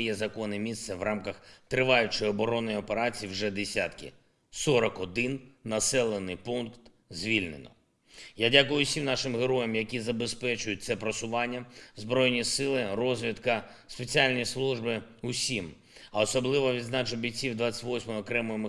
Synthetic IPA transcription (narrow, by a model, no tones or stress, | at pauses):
jɛzɐkɔnɪmʲist̪sɛʋrɑmkɐxt̪ɾɪʋɑjʊt͡ʃɔjɔbɔɾɔnɔjɔpeɾat͡sʲijiwʒɛd̪esʲat̪kɪ̰ | sɔɾɔkɔd̪ɪnːɐsɛlˠenɪjpunkt̪ | zʲʋʲilʲnḛnɔ̰ | jadʲakʊjʊsʲimnɑʃɪmɦeɾɔjɐmjɐkʲizɐbespɛt͡ʃʊjʊt̚ʲt̪sɛpɾɔsʊʋɑnʲːɐzbɾɔjnʲisɪlˠɪrɔzʲʋʲit̪kɐ | spet͡sʲialʲnʲislˠuʒbɪ | ʊsʲim | ɐɔsɔblˠɪʋɔʋʲid̪znɑt͡ʃɔbʲit͡sʲiwd̪ʋat͡sʲːɐ̥tʲʋɔsʲmɔɔɔkɾɛmɔjɔm